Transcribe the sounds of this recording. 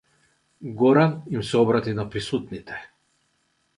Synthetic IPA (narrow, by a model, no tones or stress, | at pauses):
ɡɔɾanimsɛɔbɾat̪inapɾisut̪nit̪ʰɛ̥